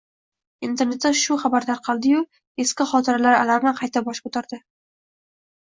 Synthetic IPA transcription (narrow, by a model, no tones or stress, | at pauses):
int̪ʰe̞ɾne̞t̪d̪aʃʊχɑbaɾd̪aɾqʰɑlˠd̪ɪjʊ | eskʲɪχɒt̪ʰɪɾalaɾa̰laɾnɪqʰɑjt̪ʰabɒʃkʰot̪ʰaɾd̪ɪ